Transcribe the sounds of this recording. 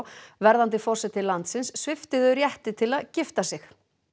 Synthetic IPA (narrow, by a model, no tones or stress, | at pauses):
wvɛɾðant̪ɪfɔr̥sɛt̪ɪlant̪sɪnsːvɪft̪ɪðʏɾjɛht̪ɪt̪ʰɪlaðcɪft̪asɪx